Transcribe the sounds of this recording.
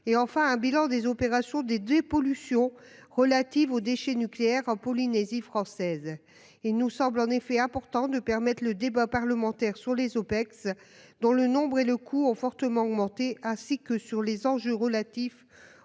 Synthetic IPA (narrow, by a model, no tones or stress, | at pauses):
eɑ̃fɛ̃ɛ̃bilɑ̃d̪ezɔpeʁasjɔ̃d̪ed̪epɔlysjɔ̃ | ʁəlat̪ivod̪eʃɛnykleɛʁɑ̃pɔlinezifχɑ̃sɛz | ilnusɑ̃blɑ̃nefɛɛ̃pɔʁt̪ɑ̃d̪əpɛʁmɛt̪χləd̪ebapaʁləmɑ̃t̪ɛʁsyʁlezopɛks | d̪ɔ̃lənɔ̃bʁeləkʰuɔ̃fɔʁt̪əmɑ̃ɔɡmɑ̃t̪eɛ̃sikəsyʁlezɑ̃ʒøʁəlat̪if